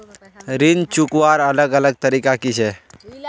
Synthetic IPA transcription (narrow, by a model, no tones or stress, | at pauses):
ɾint͡ʃukʋaɾələɡələɡ̚t̪əɾikakit͡ʃʰe